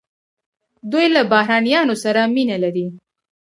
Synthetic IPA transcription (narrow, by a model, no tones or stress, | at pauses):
d̪ujlabahɾɑnijɑnosaɾaminalaɾi